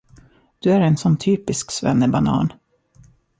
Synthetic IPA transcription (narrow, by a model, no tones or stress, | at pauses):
d̪̥ɵæɾɛnsɔnːt̪ʰyːpɪsksvɛ̰nːəbanɑ̰ːn